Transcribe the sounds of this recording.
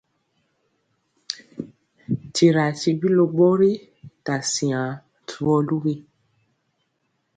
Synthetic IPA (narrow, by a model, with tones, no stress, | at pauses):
ti˨ɾa˨ti˧bi˦lo˧ɡ͡bɔ˦ɾe˦ | ta˨sĩ˨ã˨˦ | tʰu˨˦ɔ˦˧lu˦ɾe˧˦